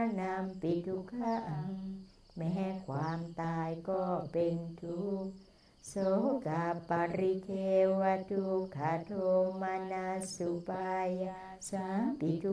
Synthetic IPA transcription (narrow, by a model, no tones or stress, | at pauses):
nampid̪ukaʔa | mɛɦɛkwamt̪ajkɔbendu | soɡapaɾikewaduɡadomanasupaja | sapidu